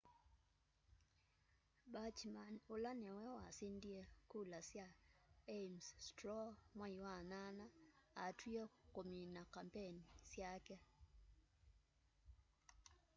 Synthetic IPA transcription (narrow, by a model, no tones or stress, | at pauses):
bat͡ʃmanolanɛwɛwasindiekulasjaemsstɾɔmwaiwananaatʰwiɔkominakampenisjakɛ